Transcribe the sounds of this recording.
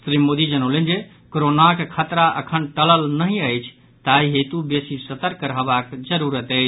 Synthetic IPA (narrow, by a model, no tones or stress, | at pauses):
sɾimod̪id͡ʒənəlend͡ʒe | koɾonakekʰət̪ɾaʔə̰kʰənʈələlnəɦĩəjt͡ʃʰ | t̪aiɦet̪ubesisət̪əɾkəɾɦbakd͡ʒəɾuɾət̪əjt͡ʃʰ